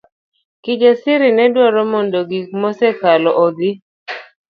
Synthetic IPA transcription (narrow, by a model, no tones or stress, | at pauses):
kɪd͡ʒesɪɾɪnɛdwɔɾɔmondoɡik̚mɔsɛkalɔʔod̪ɪ